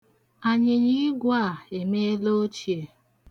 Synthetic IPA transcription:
a˨ɲɪ˨ɲi˦ɡʷa˦˨e˨me˦e˦lo˦t͡ʃi˨e˨

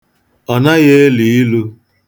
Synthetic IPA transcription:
ɔ˨na˦ɣe˦li˨i˦lu˦

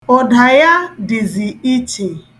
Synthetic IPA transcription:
o˨da˨ja˦dɪ˨zi˨i˦t͡ʃe˨

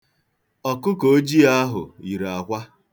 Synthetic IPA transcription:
ɔ˨kʊ˦ko˦d͡ʒi˦a˦ɦʊ̰˨i˨ɾa˨kʷa˦

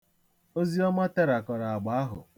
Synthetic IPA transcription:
o˦zi˦ɔ˦ma˦te˦ɾa˨kɔ˨ɾa˨a˨ɡ͡ba˨a˦ɦʊ̰˨

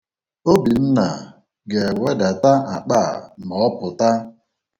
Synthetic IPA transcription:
o˦bi˨n̩˦na̰˨ | ɡe˨we˦da˨ta˦a˨k͡pa˦˨mɔ˨ɔ˦pʊ˨ta˦

